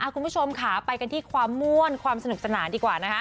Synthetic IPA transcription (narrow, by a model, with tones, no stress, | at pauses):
ʔa˧˩kʰu˧npʰo˧mkʰaː˦˩pa˧jka˧nt̪ʰiː˥˩kʰwaː˧mːu˥˩ənkʰwaː˧msa˧nu˨˩k̚sa˧naː˩˦ndiː˧kwaː˨˩na˦˥kʰa˦˥